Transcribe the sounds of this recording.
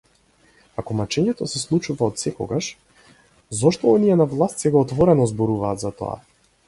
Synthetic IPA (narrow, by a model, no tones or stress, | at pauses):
akɔmat͡ʃɛɲɛt̪ɔsɛslˠut͡ʃuvaɔt̪sɛkɔ̰ɡaʃ | zɔʃt̪ɔɔniɛnavlˠast̪sɛɡaːt̪vɔɾɛnɔzbɔɾuvaːt̪zat̪ɔ̰a̰